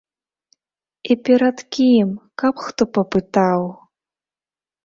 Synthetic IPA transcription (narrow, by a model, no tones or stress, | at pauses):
ipʲɛɾɐt̪kʲimkɐpxt̪ɔpɐpɨt̪aw